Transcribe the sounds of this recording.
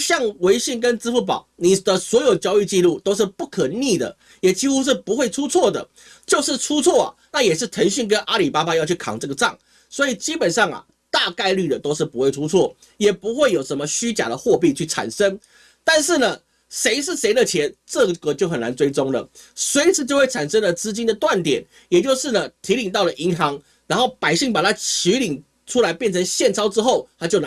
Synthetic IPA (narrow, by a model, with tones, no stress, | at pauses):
ɕjɑ˥˨ŋwe˧˥ɪɕi˥˩ŋk̬ə˦nt͡sɹ̩˥fu˥˩p̬ɑ̰˨˦ʊni˨˩d̪ə˨swɔ˧˥jo˨˩ʊt͡ɕjɑ˥ʊy˥˧t͡ɕi˥˧lu˥˨˩t̪o˥ʊʂ̬ɻ̩˥˧pu˥˩kʰə˨˩ni˥˩d̪ə̰˩ | jɛ˨˩t͡ɕi˥xu˥ʂ̬ɻ̩˥˩pu˧˦˥xwe˥˩ɪʈ͡ʂʰu˥t͡sʰwɔ˥˩d̪ə̰˩ | t͡ɕjo˥˧ʊʂɻ̩˥˧ʈ͡ʂʰu˥t͡sʰwɔ˥˩a̰˨˩na˥˩jɛ˨˩ʂɻ̩˥˩t̪ʰə˧˥ŋɕy˥˧ŋk̬ə˦nʔa˥li˨˩pa˥pa˧jɑ˥˧ʊt͡ɕʰy˥˩kʰɑ̰˨˩ŋʈ͡ʂɤ˥˩ɡə˩ʈ͡ʂɑ˥˩ŋ | swɔ˧˦˥i˨˩t͡ɕi˥pə˨˩nʂɑ˥˩ŋɐ̰˩ | t̪a˥˧ka˥˧ɪly˥˩d̪ə˩t̪o˥ʊʂɻ̩˥˩pu˧˥xwe˥˩ɪʈ͡ʂʰu˥t͡sʰwɔ˥˩ | jɛ˨˩pu˧˥xwe˥˩ɪjo˨˩ʊʂə˧˦nmə˧ɕy˥t͡ɕja̰˨˩d̪ə˨xwɔ˥˧pi˥˧t͡ɕʰy˥˩ʈ͡ʂʰa̰˨˩nʂə˦˥ŋ | t̪a˥˧nʂɻ̩˥˩nə˩ | ʂe˧˥ɪʂ̬ɻ̩˥˩ʂe˧˥ɪd̪ə˨t͡ɕʰjɛ˧˥nʈ͡ʂɤ˥˨˩ɡə˨˩kɤ˧˥t͡ɕjo˥˩ʊxə˨˩na˧˦nt͡swe˥ɪt͡sʊ˥ŋlə̰˩ | swe˧˥ɪt͡sʰɹ̩˥˧t͡ɕo˥˧ʊwe˥˩ɪʈ͡ʂʰa˨˩nʂə˥ŋlə˨t͡sɹ̩˥t͡ɕi˥nd̪ə˨t̪wa˥˩nt̪jɛ˨˩˦n | jɛ˨˩t͡ɕjo˥˧ʊʂɻ̩˥˩nə˩t̪ʰi˧˥li˨˩ŋt̪̬ɑ˥˩ʊlə˨˩ʔi˧˥ŋxɑ˧˦ŋ | ɻa˧˥nxo˥˩ʊpa˨˩ɪɕi˥˩ŋpa˨˩t̪ʰa˥t͡ɕʰi˧˥li˨˩ŋ | ʈ͡ʂʰu˥la˧˥ɪpjɛ˥˩nt͡sʰə˧˦ŋɕjɛ˥˨nt͡sʰɑ˥ʊʈ͡ʂɻ̩˥xo˥˩ʊt̪ʰa˥t͡ɕjo˥˩ʊn˧